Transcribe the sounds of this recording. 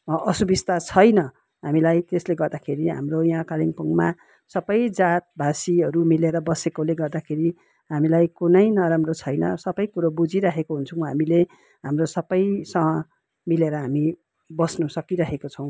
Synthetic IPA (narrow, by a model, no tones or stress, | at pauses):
ʌsubist̪at͡sʰʌjnʌ | ɦamilajt̪esleɡʌrd̪akʰeɾiɦa̰mrojɦãkaliŋpʌŋɡma | sʌbʌjd͡zat̪̚bʱasiʌɾumileɾʌbʌsekoleɡʌrd̪akʰeɾi | ɦamilajkunʌjnʌɾamrot͡sʰʌjnʌ̰sʌbʌjkuɾobud͡ziɾaɦekoɦunt͡sʰuw̃ɦamile | ɦamrosʌbʌjsʌŋʌ | mileɾʌɦami | bʌsnusʌkiɾʌɦekot͡sʰʌ̃w̃